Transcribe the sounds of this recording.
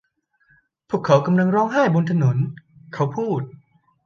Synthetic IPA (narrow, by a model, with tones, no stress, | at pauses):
pʰuː˥˩kʰːa˦wka˧mla˧ŋɾɔː˧˥ŋɦaː˥˩jbo˧nt̪ʰa˧no˩˦nkʰa˦˥wpʰuː˥˩t̪̚